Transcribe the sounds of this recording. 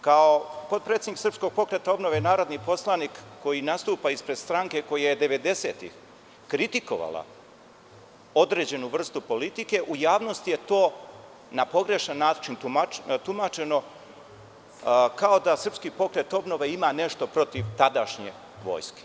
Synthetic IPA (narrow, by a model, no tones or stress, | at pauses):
kaopot̪̚pɾet̪eniksər̩psko̞ɡ̥̚po̞kɾe̞t̪ao̞bnoʋe̞naːɾo̞d̪nipo̞slˠanikːo̞jinast̪uːpaispɾed̪̥st̪ɾaŋke̞ko̞jajed̪e̞ʋe̞d̪e̞se̞ːt̪ḭx | kɾit̪iko̞̰ʋa̰la̰ | o̞d̪ɾed͡ʑe̞nuʋr̩st̪upo̞lit̪ike̞ʔujaːʋno̞st̪ije̞t̪o̞ː | napo̞ɡɾe̞ʃanːaːt͡ʃint̪umat̪umat͡ʃe̞no̞ | kao̞d̪asr̩pskipo̞kɾet̪o̞bno̞ʋe̞imane̞ʃt̪o̞pɾo̞t̪iʋt̪ad̪aʃɲḛ | ʋo̞̰ːjske̥